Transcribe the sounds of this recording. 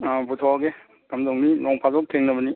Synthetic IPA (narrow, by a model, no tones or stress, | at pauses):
abutʰɔɡe | kamdoŋninɔŋpʰazɔk̚tʰeŋnɐbəni